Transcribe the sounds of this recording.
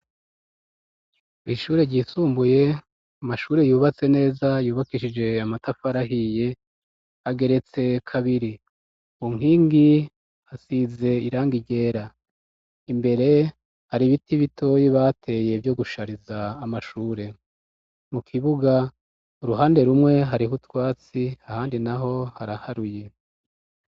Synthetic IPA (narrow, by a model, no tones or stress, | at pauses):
iʃuːɾe̞ɾɟisuːmbuje̞ | amaʃuːɾe̞juːβat͡se̞ne̞ːzajuːβakiʃid͡ʒe̞amatafaɾaɦije̞ | aɡe̞ɾe̞t͡se̞kʰaβiɾi | uŋ̥hiːŋɡi | asize̞iɾaːŋɡiɟe̞ːɾa | imbe̞ɾe̞ | haɾiβitiβitʰo̞jiβaːtʰe̞ːje̞vjo̞ɡuʃaɾizaːmaʃuːɾe̞ | mukʰiβuɡa | uɾuɦaːnde̞ɾumŋe̞ɦaɾiɦutwaːt͡siahaːndinaɦo̞haɾahaɾuje̞